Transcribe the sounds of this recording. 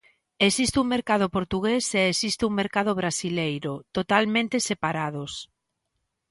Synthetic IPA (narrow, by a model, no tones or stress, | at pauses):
esist̪uŋmeɾkað̞ʊpoɾt̪uɣeseːsist̪euŋmeɾkað̞ʊβɾasilejɾʊt̪ot̪almẽnt̪esepaɾaðos